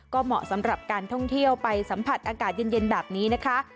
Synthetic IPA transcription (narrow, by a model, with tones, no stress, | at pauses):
kɔː˥˩mɔ̰˨˩sa˩˦mɾa˨˩p̚kaː˧nt̪ʰɔ˥˩ŋt̪ʰi˥˩əwpa˧jsa˩˦mpʰa˨˩t̪̚ʔaː˧kaː˨˩t̪̚je˧nje˧nbɛː˨˩p̚niː˦˥na˦˥kʰa˦˥ʔ